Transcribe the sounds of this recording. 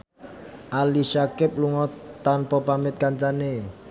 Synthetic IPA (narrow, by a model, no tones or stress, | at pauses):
ʔaliʃakɪp̚luŋɔt̪anpɔpamɪt̪̚kaɲt͡ʃane